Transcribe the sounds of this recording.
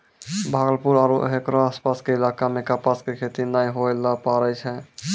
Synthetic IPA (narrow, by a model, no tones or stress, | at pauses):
bʱaɡəlpuɾaɾṵɦekɾõaspaskeilakamekapaskekʰet̪inajɦoelapaɾɛjt͡ʃʰɛ